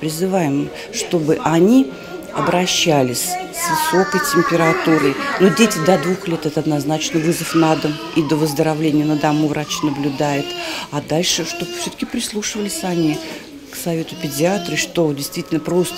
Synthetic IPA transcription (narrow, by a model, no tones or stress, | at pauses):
pɾʲɪzɨvajɪm | ʂt̪o̞bɨʔɐnʲi | ɐbɾɐɕːælʲɪsʲsvɨso̞kəjtʲɪmʲpʲɪɾat̪uɾɨjnudʲetʲɪd̪ɐd̪vuxlʲe̞t̪ɛt̪ɐd̪naznat͡ɕnəvɨzəfnad̪əm | id̪ovəzd̪əɾavlʲenʲɪjənəd̪ɐmuvɾat͡ɕnəblʲʊd̪ajɪt̪ad̪alʲʂɨʂt̪o̞bfsʲot̪ə̥kʲɪpɾʲɪslˠuʂɨvəlʲɪsʲanʲi | ksɐvʲe̞t̪ʊpʲɪdʲɪat̪ɾɨʂt̪o̞dʲɪjst̪vʲitʲɪlʲnəpɾo̞st̪ə